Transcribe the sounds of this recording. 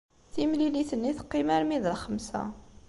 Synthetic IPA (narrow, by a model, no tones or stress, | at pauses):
θimliliθənːiθqːimæɾmiðəlχəmsæ̰